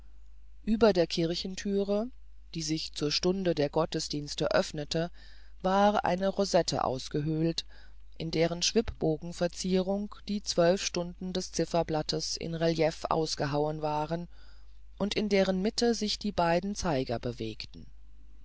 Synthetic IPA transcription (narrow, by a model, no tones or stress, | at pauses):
ʔyːbɐdeːɐkʰɪɐçn̩tʰyːʁə | d̥iːzɪçt͡suːɐʃtʊndədeːɐɡɔtəsd̥iːnstəʔœfnətə | vaːʁʔa̰ɪnəʁozɛtʰə̰ʔa̰ʊsɡ̥əɦølt | ʔɪndeːʁ̞ənʃv̥ɪpb̥oːɡŋ̩fɛɐt͡siːʁʊŋkd̥iːt͡sv̥œlfʃtʊndn̩dɛst͡sɪfɐblatəsɪ̰nʁɛljɛfʔa̰ʊsɡ̥əɦaʊənvaːʁən | ʔʊntɪndeːʁənmɪtʰəzɪçd̥iːbaɪdn̩t͡saɪɡɐ̰bəveːktn̩